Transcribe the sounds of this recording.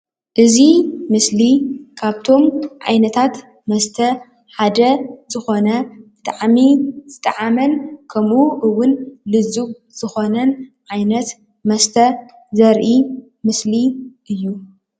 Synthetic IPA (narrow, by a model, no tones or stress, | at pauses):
ʔɨzimɨslikʰaβt̪ʰo̞mʕa̰jnɐt̪ʰat̪ | mɐst̪ʰɐ | ħad̪ɐzɨxo̞nɐbɨt̪ʼaʕmiz̥ɨt̪ʼɐʕamɐnkʰɐmʔuʔɨwʊnlɨzub̚ | z̥ɨxo̞nɐnʕajnɐt̪ | mɐst̪ʰɐ | zɐɾʔi | mɨsliʔɨjːu